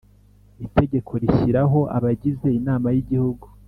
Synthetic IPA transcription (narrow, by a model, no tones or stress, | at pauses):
ite̞ɟe̞kʰo̞ɾiʃiɾaɦo̞ʔa̰βaɟize̞inaːmajiɟihuɡu